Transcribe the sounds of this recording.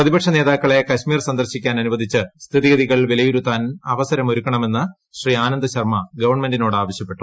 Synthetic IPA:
prɐðibɐkʂɐne̞ːðaːkːɐɭe̞kɐɕmiːrsɐnd̪ɐrɕikʲːaːnɐnuʋɐd̪ʱit͡ɕːɨst̪ʰiðiɡɐðiɣɐɭilʋilɐjuɾut̪ːaːnɐʋɐsɐɾɐmo̞ɾukːɐɳɐme̞nːɐ | ɕriaːnɐnd̪ɐɕɐrmɐɡɐʋɐrɳme̞ndino̞ːɽɨaːʋɐɕjɐpːe̞ʈːu

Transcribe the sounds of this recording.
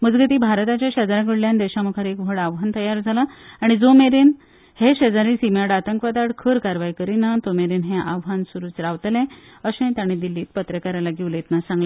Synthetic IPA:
məd͡zɡət̪iːbʱaɾt̪at͡ɕjaɕəd͡zaɾak̬əɽljand̪eɕamukʰaɾekʋ̤ʱəɽaʋɦant̪əjaɾd͡zʱalaaɽ̃id͡zomeɾin | heɕəd͡zaɾĩsimjaɽat̪əŋkʋad̪aɽkʰəɾkaɾʋajikəɾinat̪omeɾinɦẽʔaʋɦansuɾuːt͡sɾaʋt̪lẽəɕẽt̪aɽ̃ĩd̪ilːiːt̪̚pət̪ɾəkaɾalaɡiʋlet̪nasãŋɡlea

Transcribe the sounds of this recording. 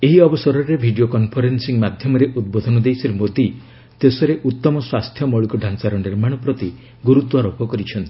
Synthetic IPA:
eɦiɔbɔsɔɾɔɾebʱiɖiokɔnpʰɔɾensiŋmad̪ʱjɔmɔɾeʔud̪̚bod̪ʱɔnɔd̪ejsɔɾemod̪i | t̪esɔɾeʔut̪ːɔmɔswast̪ʰjɔmɔɭikɔɖʱant͡ʃaɾɔniɾmaɽ̃ɔpɾɔt̪i | ɡuɾut̪waɾopɔkɔɾit͡ʃʰɔnt̪ʰi

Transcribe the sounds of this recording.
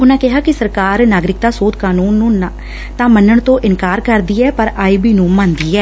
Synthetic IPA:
ʊnãːkɪɦaːkɪsəɾkaːɾnaːɡɾɪk̚d̪aːsoːd̪̚kaːnuːnːũː | t̪ãːmənːəɳt̪õːʔɪnkaːɾkəɾd̪iːɛːpəɾaːiːbiːnũːmãːnd̪iːɛː

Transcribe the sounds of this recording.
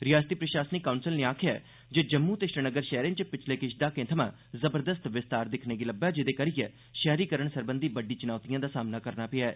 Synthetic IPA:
ɾɪjaːst̪iːpɾəʃaːsənikaunsɪlneːaːkʰɪja̰ː | d͡ʒeːd͡ʒəmːuːt̪eʃɾənəɡəɾʃɛːɾẽnt͡ʃəpɪt͡ʃʰleːkɪʃd̪aːkẽːt̪ʰəmã̰ː | zəbəɾd̪əst̪ʋɪst̪aːɾd̪ɪkʰneːɡiləbːaːd͡ʒɪd̪eːkəɾɪjɛ̰ː | ʃɛːɾiːkəɾəɳsəɾbənd̪iːbəɖiːt͡ʃɪnaːt̪ijãːd̪aːsaːmnaːkəɾnaːpɪaɛː

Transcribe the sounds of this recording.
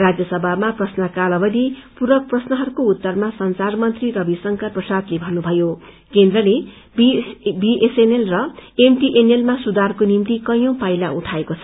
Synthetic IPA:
rad͡zjʌsʌbʱamaprʌsnʌkalʌbʌd̪ipuɾʌk̚prʌsnʌɦʌɾukout̪ːʌrmasʌnsarmʌnt̪rirʌbisʌŋkʌrprʌsad̪lebʱʌnːubʱʌjo | kend̪rʌle | bbiʔesenelrʌemʈiʔenelmasud̪arkonimt̪ikʌjõpajlauʈʰaekot͡sʰʌ̥

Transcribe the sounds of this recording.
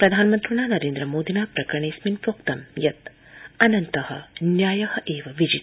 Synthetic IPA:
pɾɐd̪ʱaːnmɐnt̪ɾuɳaːnɐɾeːnd̪ɾɐmoːd̪inaːpɾɐkɾɐɳeːsminpɾoːkt̪ɐmjɐt̪ | ɐnɐnt̪ɐhɐ̆njaːjɐhɐʔeːʋɐʋid͡ʒit̪

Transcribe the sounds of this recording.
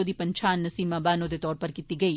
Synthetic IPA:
oːd̪iːpɐ̃ɲt͡ʃʰaːnːɐsiːmːaːbaːnoːd̪et̪ɔːɾpɐɾkit̪iɡɐiː

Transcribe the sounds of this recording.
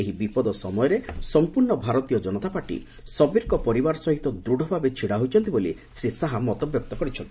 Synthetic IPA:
eɦibipɔd̪ɔsɔ̰mɔjɔɾesɔmpuɾɳɔbʱaɾɔt̪ijɔd͡ʒɔnɔt̪apaɾʈḭ | sɔbiɾkɔpɔɾibaɾɔsɔɦit̪ɔd̪ɾuɽʱɔbʱabet͡ʃʰiɽaɦojt͡ʃʰɔnt̪ibolḭsɾisaɦamɔt̪ɔbjɔk̚t̪ɔkɔɾit͡ʃʰɔnt̪i̥

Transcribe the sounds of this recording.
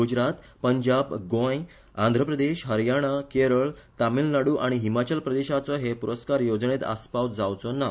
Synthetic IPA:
ɡud͡ʑɾat̪ | pəɲd͡ʑabɡõj | ã̰nd̪ʱɾəpɾəd̪eɕɦəɾjaɽ̃akeɾəɭt̪amilnaɽuːʔaɽ̃iɦimat͡ɕəlpɾəd̪eɕat͡səɦepuɾəskaɾjod͡zɳet̪a̰spaw̪d͡zawt͡sɔna

